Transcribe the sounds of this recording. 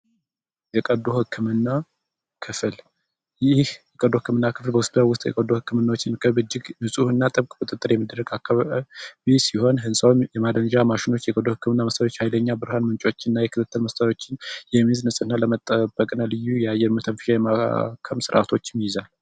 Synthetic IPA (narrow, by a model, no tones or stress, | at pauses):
jɛkʼəd̪ohɨkʰːɨmɨnːa | kʰɨfɨl | jɪhjɛkʼəd̪ːohɨkːɨmɨnːakʰɨflbəwʊsp̪awʊst̪ʼjɛ̰kʼəd̪ːohɨkːɨmɨnːawot͡ʃːɪnkʰəβbɨd͡ʒːɪɡnɨsʼuhɨnːat̪ʼɨβkʼbɨt̪ʼət̪ʼːɨɾjɛmːid̪əɾːəɡakʰːaβaβisiho̞nɦɨnsʼawnjɛmad̪ənʒamaʃɪno̞t͡ʃːjɛkʼəd̪ːohɨkːɨmɨnːaməst̪ʰʼəɾot͡ʃːhajləɲːabɨɾhanmɨnt͡ʃʼo̞t͡ʃːɪɨnːajɛkʰɨt̪ɨt̪ʰːəlməst̪ʼəjo̞t͡ʃːɪnjɛmiznɨsʼɨnːaləmət̪ʼːəbəkʼnalɨjːujajːɛɾmət̪ʰənfɨ̥ʃajɛmakʰəmsɨɾʔa̰t̪ʰo̞t͡ʃːmijɪzal